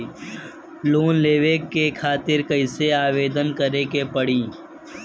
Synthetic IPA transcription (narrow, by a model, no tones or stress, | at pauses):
loːnleːʋekekʰaːt̪ɪɾkəɪseaːʋeːd̪ənkəɾekepəɽ̤ĩː